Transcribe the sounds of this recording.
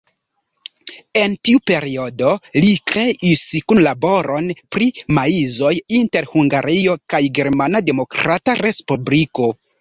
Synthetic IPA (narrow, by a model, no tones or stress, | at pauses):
e̞ntiupe̞ɾio̞do̞likɾe̞ʔiskunlabo̞ɾo̞npɾimaizo̞jinte̞ɾhuŋɡaɾio̞kajɡe̞ɾmanade̞mo̞kɾataɾe̞spubliko̞